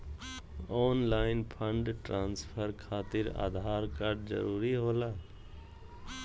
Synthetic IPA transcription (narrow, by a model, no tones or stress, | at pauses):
ɔːnlaːɪnpʰəɳɖʈɾaːnspʰəɾkʰaːt̪ɪɾa̰ːd̪ʱaːɾkaɾɖd͡ʒə̰ɾuːɾiɦoːlaː